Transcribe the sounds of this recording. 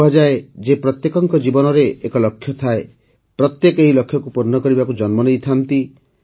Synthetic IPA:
ad͡ʒaed͡ʒepɾɔt̪jekɔŋkɔd͡ʒibɔnɔɾeʔːkɔlɔkʰːjɔt̪ʰae | pɾɔt̪jekeɦilɔkʰːjɔkupuɾnɔkɔɾibakud͡ʒɔnmɔnejt̪ʰant̪i

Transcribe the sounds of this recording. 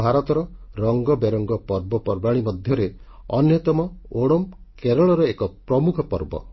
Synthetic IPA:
bʱaɾɔt̪ɔɾɔɾɔŋɡɔbeɾɔŋɡɔpɔɾbɔpɔɾbaɽ̃imɔd̪ʱjɔɾe | ɔnjɔt̪ɔmɔoɽɔm | keɾɔɭɔɾɔekɔpɾɔmukʰɔpɔɾbɔ̰

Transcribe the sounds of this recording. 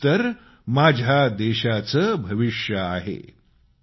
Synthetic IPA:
t̪əɾ | mad͡ʑʱjad̪eɕat͡səbʱəʋiʂjəaɦḛ

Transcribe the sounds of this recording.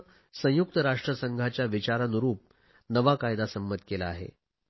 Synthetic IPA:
sə̃juk̚t̪əɾaʂʈɾəsəŋɡʱat͡ɕjaʋit͡ɕaɾanuɾuːp̚ | nəʋakajd̪asəmːət̪kelaːɦḛ

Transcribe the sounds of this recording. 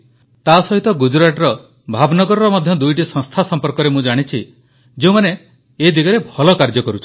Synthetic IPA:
t̪asɔɦit̪ɔɡud͡ʒɾaʈɾɔ | bʱabnɔɡɔɾɔɾɔmɔd̪ʱjɔd̪ujʈisɔ̃ŋst̪ʰasɔmpɔɾkɔɾemũd͡ʒaɽ̃it͡ʃʰi | d͡ʒeũmane | ed̪iɡɔɾebʱɔlɔkaɾd͡ʒɔkɔɾut͡ʃʰi̥

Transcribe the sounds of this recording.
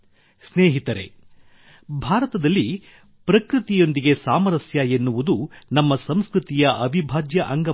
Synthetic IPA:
sneːɦit̪ɐɾe̞̰ | bʱaːɾɐt̪ɐd̪ɐlːi | pɾɐkɾɨt̪ijo̞nd̪iɡe̞saːmɐɾɐsjɐenːuʋud̪unɐmːɐsɐmskɾɨt̪ijɐʔɐʋibʱaːd͡ʒjɐʔɐŋɡɐ

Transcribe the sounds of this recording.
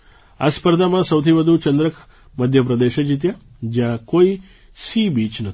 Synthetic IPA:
aspəɾd̪ʱamãsəwt̪ʰibəd̪ʱut͡ʃənd̪ɾəkʰ | məd̪ʱjəpɾɐd̪eʃəd͡ʒit̪̬ja | d͡ʒjãkoi | sibit͡ʃnə

